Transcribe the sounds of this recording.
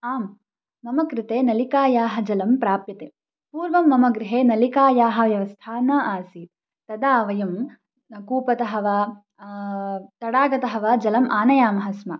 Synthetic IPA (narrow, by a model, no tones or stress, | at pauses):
aːmː | ɐmɐkɾɪt̪eːnɐlikaːjaːɦɐ̆d͡ʒɐlɐmpɾaːpjɐt̪e | puːɾʋɐmːɐmɐɡɾɪɦeːnɐlikaːjaːɦɐ̆ʋjɐʋɐst̪ʰaːnaːʔaːsit̪ | t̪ɐd̪aːʋɐjɐm | kuːpɐt̪ɐɦɐʋaː | t̪ɐɽaːɡɐt̪ɐɦɐʋaːd͡ʒɐlɐmʔaːnɐjaːmɐɦɐsmɐ̰